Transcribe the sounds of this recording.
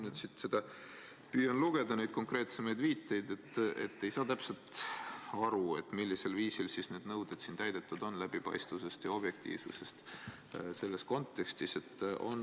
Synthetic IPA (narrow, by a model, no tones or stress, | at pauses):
nyːd̪sit̪se̞d̪̥ɑ | pyːjɑnluɡ̥e̞d̪̥ɑnejd̪̥̚ko̞ŋkre̞ːt̪se̞mɑjd̪viːt̪ːˑe̞jd̪e̞t̪ːe̞̰t̪ːe̞jsɑːt̪æpselt̪ | ɑɾue̞t̪ˑmilːise̞lviːsilsisne̞ːd̪̥nɤwd̪̥ed̪̥siːnt̪æjd̪̥e̞t̪ːˑud̪̥o̞nlæb̥ipɑ̰jst̪vuse̞st̪jɑo̞b̥je̞k̚t̪ḭːv̥suse̞st̪ | se̞lːe̞sko̞nt̪ːˑe̞kst̪ise̞t̪ːo̞̰n